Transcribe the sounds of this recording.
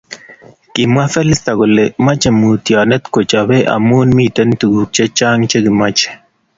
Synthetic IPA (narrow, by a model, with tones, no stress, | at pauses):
kɪ˨mwa˦fɛ˦lɪ˦st̪a˨ɡʊ˨lema˦t͡ʃe˨mu˨t̪jɔ˨nɛ˦t̪ko˨t͡ʃa˨we˦ʔa̰˨mu˦nmite˦nt̪u˨ɡu˨k̚t͡ʃe˦t͡ʃa˦ŋt͡ʃe˦ɡi˨ma˦t͡ʃɛ̥˨